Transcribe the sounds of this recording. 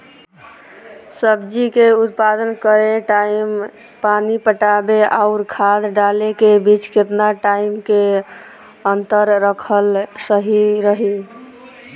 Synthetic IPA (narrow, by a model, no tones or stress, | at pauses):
səbd͡ʒikeut̪̚pad̪ənkəɾeʈaim | panipəʈabeaʊɾkʰad̪ɖalekebit͡ʃket̪naʈaimke | ənt̪əɾːəkʰəlsəɦiɾəɦi